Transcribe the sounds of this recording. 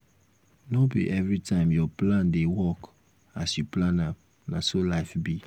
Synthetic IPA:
nɔbḭʔɛvɹitʰãɪ̃mjɔplãndewɔk | asjuplãnã | nasolaɪfbi

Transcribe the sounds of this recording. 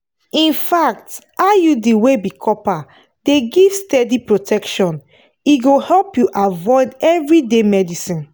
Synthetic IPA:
ĩnfak̚t | ajudiwebikʰɔpa | d̥eɡivstɛdipɹotʰɛkʃɔ̃n | iɡohɛlpjuʔavɔɪdɛvɹidemɛdisĩn

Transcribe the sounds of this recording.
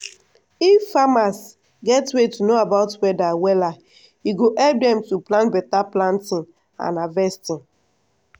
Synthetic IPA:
ifːamas | ɡɛtwetunoabaʊtwɛdawɛla | iɡoʔɛlp̚dɛ̃mtuplãnbɛtaplãntĩn | a̰navɛstĩn

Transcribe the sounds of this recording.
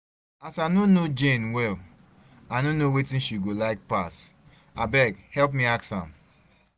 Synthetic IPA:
asanonod͡ʒẽnwɛl | anonowetĩnʃiɡolaɪk̚pas | abɛɡhɛlp̬mĩaksã̰m

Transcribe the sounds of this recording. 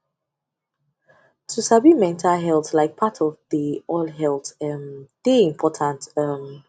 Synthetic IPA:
tʰusabimɛ̃ntʰalɦɛlˠtlaɪk̚pʰatʰɔvðiɔlɦɛlˠtɛmð̥eĩmpʰɔtʰãntʌm

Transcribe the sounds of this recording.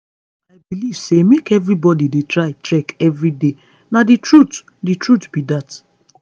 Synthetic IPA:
aɪbiliv̥semekɛvɹibɔdidetɹaɪt͡ʃɛkɛvɹide | naditɹut | ditɹutb̥idat

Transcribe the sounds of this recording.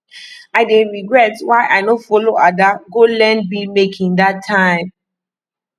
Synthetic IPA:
aɪdeɹiɡɹɛtwaɪʔaɪnofɔloadaɡolɛ̃nbilmekʰĩŋdatʰːãɪ̃m

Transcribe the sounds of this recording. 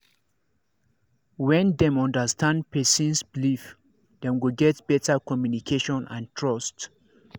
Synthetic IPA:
wɛ̃ndɛ̃mɔ̃ndəstʰãndpɛsĩnsblif | dɛ̃mwilɡɛtbɛtakɔmjunikʰeʃɔ̃nã̰ntʰɹɔst

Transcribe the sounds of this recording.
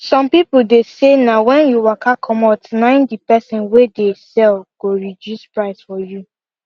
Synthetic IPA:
sɔ̃mpipudesenawɛ̃njuwakʰakʰɔmatnãndipɛsĩnwedesɛlɡ̥oɹidjuspɹaɪsfɔju

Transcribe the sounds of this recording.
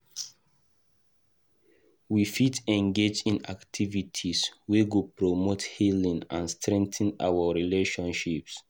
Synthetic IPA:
wifitɛ̃ŋɡed͡ʒĩnaktʰivitʰiswiɡupɹɔmothilĩŋã̰nstɹɛ̃ŋ̚tə̃na̰wəɹileʃɔ̃nʃips

